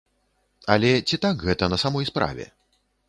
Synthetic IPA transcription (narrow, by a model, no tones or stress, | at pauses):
ɐlʲɛt͡sʲit̪akɣɛt̪ɐnɐsamɔjspɾa̰vʲɛ̰